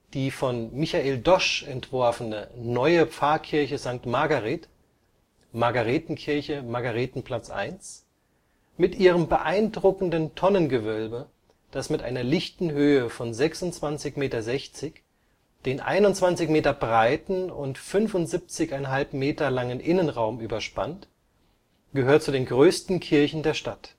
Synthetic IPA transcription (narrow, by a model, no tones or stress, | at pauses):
d̥iːfɔnmɪçaʔeːldɔʃɛntv̥ɔɐfənənɔʏəp͡faːɐkʰɪɐçəzaŋk̚tmaɡaʁeːt | maɡaʁeːtn̩kʰɪɐçəmaɡaʁeːtn̩pʰl̥at͡sʔa̰ɪns | mɪtʔiːʁəmbəʔaɪndʁʊkn̩dəntʰɔnənɡəvœlbə | d̥asmɪtʔa̰ɪnɐlɪçtn̩ɦøːəfɔnzɛksʊntt͡sv̥ant͡sɪçmeːtɐzɛçt͡sɪç | d̥eːnʔa̰ɪnʊntt͡sv̥ant͡sɪçmeːtɐbʁaɪtn̩ʊntfʏnfʊntz̥ip̚t͡sɪçaɪnɦalpmeːtɐlaŋənʔɪnənʁaʊmʔyːbɐʃpant | ɡ̥əhøːɐt̚t͡sudeːnɡʁøːstn̩kʰɪɐçn̩deːɐʃtat